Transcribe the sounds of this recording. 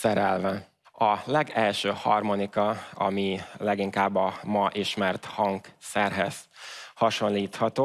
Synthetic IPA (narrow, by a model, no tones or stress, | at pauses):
sɛɾɛlvɛ | ɒlɛɡɛlʃøːhɒ̰rmo̞nikɒɒ̰milɛɡiŋkaːbːɒmɒʔiʃmɛrt̪hɒŋksɛrɦɛz̥hɒʃo̞nliːt̪hɒt̪oː